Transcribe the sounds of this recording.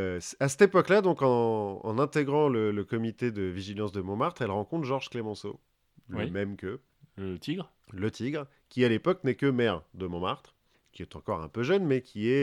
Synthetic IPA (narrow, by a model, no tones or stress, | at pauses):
sasɛ̥t̪epɔklad̪ɔ̃kɑ̰̃ːnɛ̃t̪eɡʁɑ̃lələkɔmit̪ed̪əviʒilɑ̃sd̪əmɔ̃maʁt̪χɛlʁɑ̃kɔ̃t̪ʒɔʁʒklemɑ̃so̰ | limɛmkə | ət̪iɡʁ | lət̪ʰiɡʁ | kʲialepɔknɛkəmɛʁd̪əmɔ̃maʁt̪χ | kʲiɛt̪ɑ̃kɔʁɛ̰̃pøʒœnmɛkʲʰiɛ